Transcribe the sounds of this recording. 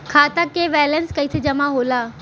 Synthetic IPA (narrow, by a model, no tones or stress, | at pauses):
kʰaːt̪akeːʋɛːlənskɐit̪ʰed͡ʑɐmãɦoːlaː